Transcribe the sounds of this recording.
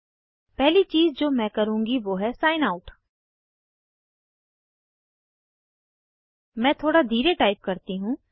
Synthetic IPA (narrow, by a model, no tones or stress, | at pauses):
pɛɦlit͡ʃiːzd͡ʒoːmɛ̃ːkəɾũːŋɡiʋoːɦɛːsaːɪnaːʊʈ | mɛ̃ːt̪ʰoːɽaːd̪ʱiːɾeʈaːɪp̚kəɾt̪iɦũː